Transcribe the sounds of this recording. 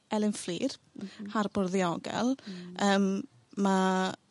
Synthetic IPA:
ɛlˠɪnfliːrharbɔrðiɔɡɛ̰lˠəːmː | a

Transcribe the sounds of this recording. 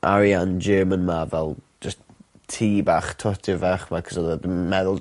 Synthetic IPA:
ʔa̰ɾjand͡ʒəːmənmavɛlˠd͡ʒəs | tʰiːbaːχtʰɔtʰɪvaχmakʰɔ̥sɔdədənmɛðʊlˠ

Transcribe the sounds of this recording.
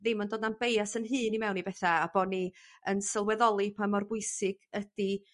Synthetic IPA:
ðɪmɔndoːdnanbejasənɦɨːnimɛwnibɛθaːb̥ɔniənsəlˠwɛðɔlˠipʰamɔrbʊɨsɪɡ̥əd̥i

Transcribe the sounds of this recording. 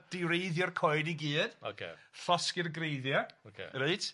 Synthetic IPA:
d̥ɪɾejðjɔrkʰɔjdiɡiːd̥o̰kʰḛɬɔskɪrɡrejðjɔokʰḛɾeɨtʰ

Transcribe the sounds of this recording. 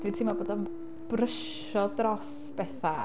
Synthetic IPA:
d̥witʰiːmaboːdɔn | b̥rəʃ | ɔdrɔs | b̥ɛθa

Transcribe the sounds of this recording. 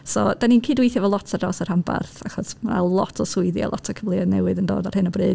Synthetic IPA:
sɔd̥aninkʰiːdwejθjavɔlˠɔtʰadɔsar̥hamba̰rθaχɔsma̰lˠɔtʰɔsʊɨðjɔ̰lˠʔɔ̰tʰɔkʰəvlˠɨadnɛwɨðəndo̰ːdar̥hɨnəbrɨːd̥̚

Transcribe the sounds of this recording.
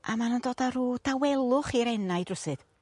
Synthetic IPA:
amanəndoːdaruːd̥awɛlˠʊχiɾɛnajdrʊsɨd̥

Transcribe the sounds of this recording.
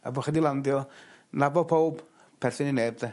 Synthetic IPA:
a̰boχədilˠandjɔ | nabɔpʰowb | pʰɛrθɪninebða

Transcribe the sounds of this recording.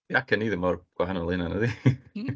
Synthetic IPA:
iakʰəniːðɪmɔrɡ̥waɦanɔnlˠɪnanəði

